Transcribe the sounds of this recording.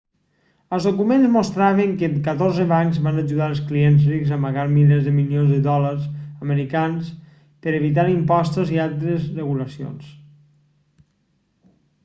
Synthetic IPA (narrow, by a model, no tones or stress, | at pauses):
əlˠzðokumenzmost̪ɾaβ̞eŋkəkət̪oɾzəβaŋzβanəʒuðaəlˠsklienzrikzəməɣaɾmilezðəmiljonzðəðɔləɾsəməɾikans | pəɾeβit̪̬aɾimpɔst̪ozialˠt̪ɾəzrəɣuləsio̰ns